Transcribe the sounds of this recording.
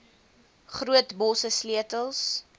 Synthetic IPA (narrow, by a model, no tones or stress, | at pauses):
χruətbɔsəsliətəlˠs